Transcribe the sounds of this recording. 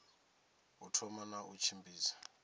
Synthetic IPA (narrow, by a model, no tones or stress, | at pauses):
utʰɔmanaʔut͡ʃʰimbiːsḁ